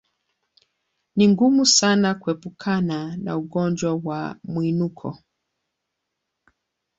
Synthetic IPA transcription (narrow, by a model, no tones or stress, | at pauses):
niŋɡumusanakuɛpukʰanana̰uɠɔnd͡ʒwawa̰mwinukʰɔ̰